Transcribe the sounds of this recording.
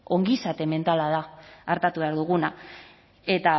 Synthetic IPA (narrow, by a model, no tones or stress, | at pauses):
o̞ŋɡisat̪e̞me̞nt̪alaðaːɾt̪at̪uβe̞aɾðuɣuna | e̞t̪a